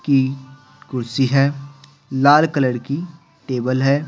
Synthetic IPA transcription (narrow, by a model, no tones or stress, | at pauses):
ki | kʊɾsiɦɛː | laːlkələɽki | ʈeːbəlɦɛː